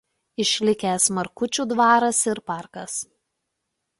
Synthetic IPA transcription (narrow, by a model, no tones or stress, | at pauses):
ɪʃʲlʲɪkʲɛːsmɐɾkʊt͡ʃʲuːd̪ʋɑːɾɐsɪɾpɑˑɾkɐs